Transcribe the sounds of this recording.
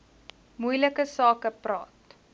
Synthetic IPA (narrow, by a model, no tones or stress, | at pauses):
mujləkəsɑːkəprɑ̰ːt